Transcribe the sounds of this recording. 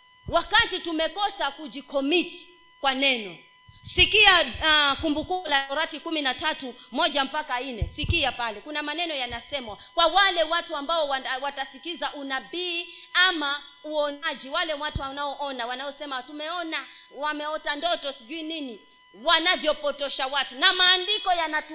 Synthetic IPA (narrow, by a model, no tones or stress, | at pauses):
wakatitumɛkɔsakuʄikɔmit | kwanɛnɔ | sikiakumbukulaɔɾatikuminatatumɔʄam̩pakainɛsikiapalɛkunamanɛnɔjanasɛmwakwawalɛwatuambaɔwwatasikizaʔunaɓiː | amauɔnaʄiwalɛwatuanaɔʔɔnawanaɔsɛmatumɛɔna | wamɛɔtandɔtɔsiʄuinini | wanavjɔpɔtɔʃawatunamaːndikɔjanat